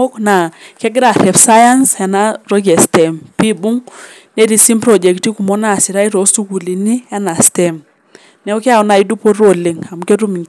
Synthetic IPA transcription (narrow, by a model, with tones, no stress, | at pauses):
o˦kna˨kɛ˦ɡɪ˦ɾa˨tɛ˨fsa˦ja˦nsɛ˨na˦ɾɔ˦kɛ˨stɛ˨mpi˦bu˦ŋ | nɛ˦ɾi˨si˦mpɾɔ˨d͡ʒɛ˨kti˦ku˨mɔ˦na˨sɪ˨ɾa˦i˦ɾo˦su˦ku˨li˨ni˦ɛ˦na˨stɛ˨m | nɛ˦ɔ˦ki˦a˨wna˨i˦du˦po˦ɾo˦˨li˨ŋa˨mke˦tu˦mi˨ŋ